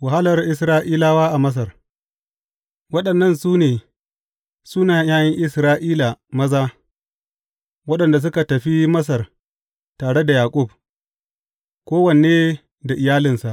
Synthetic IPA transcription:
wa˨ha˦lɐ˨rʔɪ˦s̬ɾaː˦ʔiː˦laː˦waː˦ʔa˨mɐ˦s̬ɐ˨r | wɐ˦ɗɐ˨nːɐ˦˨nsuː˦neː˨ | suː˦naː˨jaː˦jɪ˦ŋʔɪ˦sɾaː˦ʔiː˦la˨mɐ˦zaː˦ | wɐ˦ɗɐ˨nda˨s̬ʊ˦ka˨tɐ˨ɸi˦mɐ˦s̬ɐ˨r | taː˨ɽe˦da˨jaː˨kʷʼʊ˦˨b̚ | kʷoː˦wɐ˨ne˨eː˦ | da˨ʔɪ˨jaː˦lɪ˨nsa˨ʔ

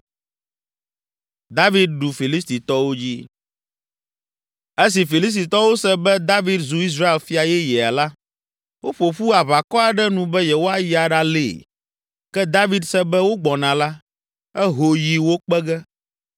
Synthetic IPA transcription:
d̪a˦vi˦d̪̚ɖu˨fi˨li˦st̪i˨t̪ɔ˦wo˦d͡ʑi˦ | ɛ˦s̬i˨fi˨li˦s̬t̪i˨t̪ɔ˦wo˦sɛ˦bɛ˦d̪a˦vi˦d̪zu˨i˦s̬ɾa˦e˨lfi˦a˨jɛ˦jɛ˨a˨la˦ | wo˦ɸo˨ɸu˦a˨βa˨kɔ˦a˨ɖɛ˦nũ˨bɛ˦jɛ˨wo˦a˨ji˨a˨ɖa˦lḛː˦˨ | kɛ˦d̪a˦vi˦d̪sɛ˦bɛ˦wo˦ɡ͡bɔ˨nã˨la˦ | ɛ˦ɦo˨ji˨wo˦k͡pɛ˦ɡɛ˦

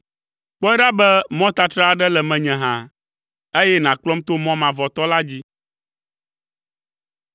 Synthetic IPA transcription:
k͡pɛ˦ɖa˦bɛ˦mɔ̃˦t̪a˨t̪ɾa˦˨ɖɛ˦lɛ˨mɛ̃˨ɲɛ̃˨ɦã˨ | e˦jɛ˦nã˨k͡plɔ˦mt̪o˦mɔ̃˦mã˨vɔ˨t̪ɔ˦la˦d͡ʑi˦

